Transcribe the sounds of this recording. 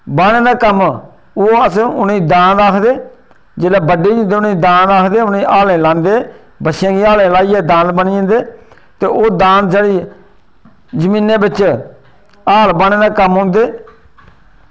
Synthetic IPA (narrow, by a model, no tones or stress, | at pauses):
baːɽẽːd̪aːkəm | oːəsʊnĩːd̪ãːd̪aːkʰd̪eː | d͡ʒeːlaːbəɖeːõnd̪eːʊnẽːd̪ãːnd̪aːkʰd̪eːʊnẽːʔaːlẽːlãːnd̪eː | bəʃjãːɡiːaːlẽːlaːiːɛːd̪ãːnd̪bəniːə̃nd̪eː | t̪eːʔoːd̪ãːnd̪d͡ʒəːɽiː | d͡ʒəmĩːnẽːbɪt͡ʃ | aːlbaːɳeːd̪aːkəmɦʊ̃ːnd̪eː